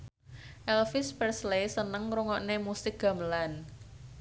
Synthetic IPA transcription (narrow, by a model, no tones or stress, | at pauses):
ʔɛlfɪspərslesənəŋɾuŋɔʔnemusɪk̚ɡ̥a̤məlan